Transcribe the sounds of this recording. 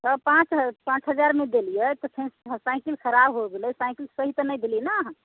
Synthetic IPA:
səpãt͡ʃɦpãt͡ʃɦəd͡ʒaɾmed̪elijət̪ɔpʰenɦsaɪkilkʰəɾabɦoɡeləjsaɪkilsəɦit̪ɔnəjd̪elinaːɦə̃

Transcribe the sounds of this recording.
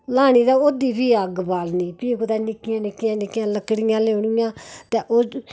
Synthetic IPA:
laːñiːd̪aːoːd̪iːpiːəɡbaːlniːpiːkoːd̪aːnɪkːɪjãːnɪkːɪjãːnɪkːjãːləkɽɪjãːleːɳ̃ɪjãːt̪ɛːʔoː

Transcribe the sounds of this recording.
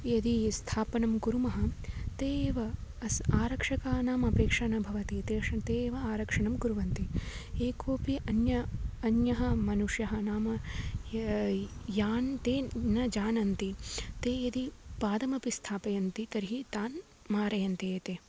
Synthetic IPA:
jɐd̪ist̪ʰaːpɐnɐmkuɾumɐɦɐ̆t̪eːʋɐɐsaːɾɐkʂɐkaːnaːmɐpeːkʂɐnɐbʱɐʋɐt̪it̪eːʂɐt̪eːʋɐaːɾɐkʂɐnɐmkuɾuʋɐnt̪ieːkʰoːpiʔɐnjɐɐnjɐɦɐmɐnuʂjɐɦɐnaːmɐ | jaːnt̪eːnɐd͡ʒaːnɐnt̪it̪eːjɐd̪ipaːd̪ɐmɐpist̪ʰaːpɐjɐnt̪it̪ɐɾɦit̪aːn | maːɾɐjɐnt̪eːt̪eː

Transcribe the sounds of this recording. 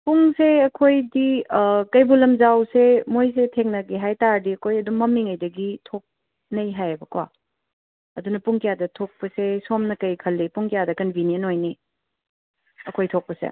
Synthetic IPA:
puŋseɐkʰojdikɐjbulɐmzawsemojs̬etʰeŋnɐɡiɦajtaɾdiɐkʰojɐdumɐmːiŋɐjdɐɡitʰok̚ | nɐjɦajbɐkwa | ɐdunɐpuŋkijadɐtʰok̚pɐsesomnɐkɐjkʰɐlːipuŋkijadɐkɐnbʱinjənojni | ɐkʰojtʰok̚pɐsḛ

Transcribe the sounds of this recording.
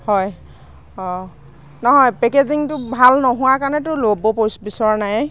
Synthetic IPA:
hɔj | ɔ̃ | nɔɦɔjpɛkeziŋtʊbʱalnɔɦʊ̃wakaɹnɛtʊlobɔposbisɔɹɔnaj

